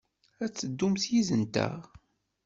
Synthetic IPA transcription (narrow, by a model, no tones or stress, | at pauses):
æt͡sːəd̪ːumθjizənt̪ə̰ʁ